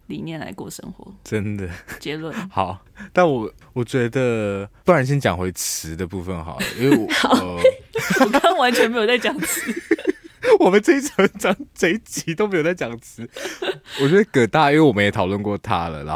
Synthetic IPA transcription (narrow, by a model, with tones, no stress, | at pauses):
lḭ˨˩mjɛ˥˩nla̰˧˥ɪkwɔ̰˥˩ʂə̰˥ŋxwɔ̰˧˥˦ʈ͡ʂə˦nd̪ə˩t͡ɕjɛ˧˥lwə˥˩nxɑ˨˩˦ʊ | na˥˩nwɔ˨˩wɔ˨˩t͡ɕɥɛ˧˥d̪ə˨pu˥˩ɻa˨˧˦nɕ̬jɛ˥nt͡ɕjɑ˨˩ŋxwe˧˥ɪt͡s̩ʰ˧˦d̪ə˨pu˥˧fə˨nxɑ̰˨˩ʊd̪ə̰˦ʔi˥we˧˩˨ | ka˥˦ŋwa˧˦nt͡ɕʰɥɛ˧˥nme˧˥jo˨˩t͡sa˥˩ɪt͡ɕjɑ˨˩ŋt͡s̩ʰ˧˦ | wɔ˨mə˨˦nʈ͡ʂə˥˧i˥t͡sɑ˨˥ʈ͡ʂɑ˨˥ŋt͡se˥˧˩t͡ɕi˨˥t̪o˥ʊme˧˥jt͡sa˥˩t͡ɕjɑ˨˩ŋt͡s̩ʰ˨˦wɔ˨˩t͡ɕɥɛ˧˥d̪ə˧kə˨˩t̪a˥˩˨i˥we˥˩˨wɔ˨˩ə˦jɛ˨˦t̪ʰɑ˨˩ʊlwə˥˧nkwɔ˥˩t̪ʰa̰˦lə̰˨lə̰˨